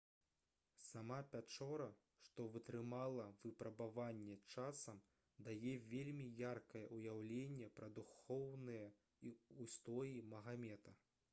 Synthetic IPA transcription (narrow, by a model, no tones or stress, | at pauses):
samapʲat͡ʂɔɾɐ | ʂt̪ɔvɨt̪ɾɨmalˠɐvɨpɾɐbavanʲːɛt͡ʂasɐm | d̪ajɛvʲelʲmʲijarkɐjɛʔujawlʲenʲːɛpɾɐd̪uxɔwnɨjɛ | iust̪ɔjimɐɣamʲɛt̪ɐ